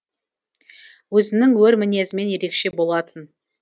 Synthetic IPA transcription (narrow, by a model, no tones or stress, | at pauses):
wɵzɪnɪŋwɵɾmɪne̞zɪme̞nje̞ɾe̞kʃe̞bo̞lˠɑt̪ʰən